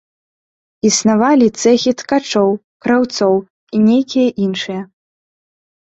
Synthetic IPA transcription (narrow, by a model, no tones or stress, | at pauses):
isnavalʲit̪sɛxʲit̪kat͡ʂɔw | kɾawt̪sɔw | inʲejkʲijɐʔinʂɨjɐ